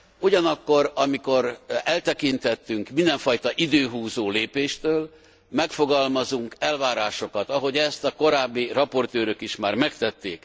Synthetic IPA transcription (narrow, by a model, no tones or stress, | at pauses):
uɟɒnɒkːo̞ɾɒmiko̞ɾɛlt̪ɛkint̪ɛt̪ːyŋkmind̪ɛɱfɒjt̪ɒʔid̪øːɦuːzoːleːpeːʃt̪øːl | mɛkfo̞ɡɒlmɒzuŋkɛlvaːɾaːʃo̞kɒt̪ɒɦo̞ɟɛst̪ɒko̞ɾaːbːirɒpo̞rt̪øːɾøkiʃmaːrmɛkt̪ɛt̪ːeːk